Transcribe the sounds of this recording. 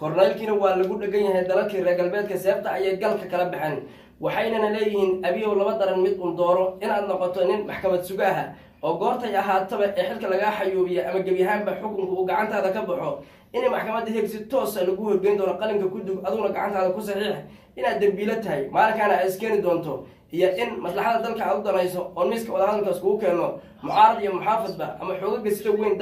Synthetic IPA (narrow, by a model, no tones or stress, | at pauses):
kʰɔrnɛjlkʰiːnɐwɑːlɐɣʊɖɛɣɐnjɐɦɛjd̪ɐlɐlkʰiːrɛːɡɐlbɛːd̪kʰɐsɛːb̚t̪ʰɐɐjɐɡɐlkʰɐkʰɐlɛbɪħɛn | wɑħɑjnɐnɐlɛːjɪhiːnʔɐβɪjɔlɐβɐd̪ɐɾɐnmɪd̪ʊːnd̪ɔːɾɔɪnaːd̪nɔqɔt̪ʰɔnɪnmɑħkʰɐmɐd̪sʊɣɐɦɐ | ʔɔːɡɔːrt̪ʰɐjɐɦaːt̪ʰɐβɐʔɛːħɪlkʰɐlɐɣaːħɑjuːβɪjɛʔɐmɐɡɐbjɐɦaːnbɐħʊkʊmkʰɐuːɡɑʕɑnt̪ʰaːðɐkʰɐbɑħɔ | ʔɪnɛjmɑħkʰɐmɐd̪ɐɦɛɡsɪt̪ʰɔːsɐlɐɣʊhɔrɡɛjnd̪ɔːnɔqɑlɪmkʰɐkʰʊd̪ʊɡɐðʊɣʊnɐɡɑʕɑ̰nt̪ʰaːðɐkʰʊs̬ɑħiːħ | ʔɪnaːd̪ːɐmbiːlɐt̪ʰɐɦɛjmaːlŋkʰaːnɐːd̪ɪskʰɛːnɪd̪ɔːnt̪ʰɔ | ʔijɔʔɪnmɐslɑħɑd̪ɐd̪ɐlkʰɐaːd̪ʊd̪ɐnɛjsɔɔːmiːskʰɐwɑðɐhɐðɐlkʰaːskʰʊɣʊkʰɛːnɔ | mʊʕɑːɾɐðijɔmʊħaːfɐd̪bɐ̰ʔɐ̰mɐħɔːɣɐɡɐsɪd̪ɐwɛn